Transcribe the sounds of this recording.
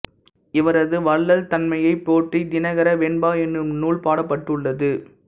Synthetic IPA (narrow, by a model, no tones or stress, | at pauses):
ɪʋɐɾɐðɯʋɐɭːɐlt̪ɐnmɐjɐɪpːoːʈrid̪ɪnɐɣɐɾɐʋɛɳbaːɛnːɯmnuːɭpaːɽɐpːɐʈːɯɭːɐðɯ